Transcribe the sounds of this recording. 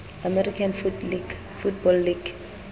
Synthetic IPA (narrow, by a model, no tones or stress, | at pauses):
amɛrikʰanfui | futbɔlːiɡ